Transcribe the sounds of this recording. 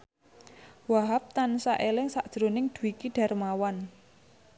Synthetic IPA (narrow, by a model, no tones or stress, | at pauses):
waɦap̚t̪ansaʔelɪŋsaʔd̥ʒ̥ɾo̤nɪŋd̪̥ṳwikiɖ̥a̤rmawan